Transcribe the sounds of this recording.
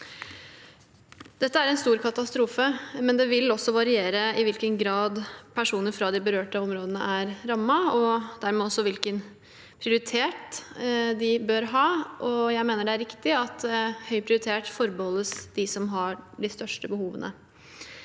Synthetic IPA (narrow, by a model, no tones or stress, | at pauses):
d̪̥ɛt̪ːəæɾɛnst̪uːɾkʰɑt̪ɑst̪ɾuːfəmɛnd̪ɛʋɪlɔsːɔʋɑɾɪeːɾəɪʋɪlkənɡɾɑːd̪pʰæʂuːnəɾfɾɑd̪ɪbəɾøːʈəɔmɾoːd̪ənəʔæɾɾɑmːɑɔd̪æɾmɛːɔsːɔʋɪlkən | pʰɾɪʊɾɪt̪ʰeːʈ | d̪ɪbøɾɦɑːʔɔjæɪmeːnəɖɛæɾɪkt̪ɪɑt̪ɛhœʏpʰɾɪʊɾɪt̪ʰeːʈfɔɾbəhɔlːəsd̪̥ɪsɔmɦɑɖɪst̪œʂʈəbəhuːʋənə̰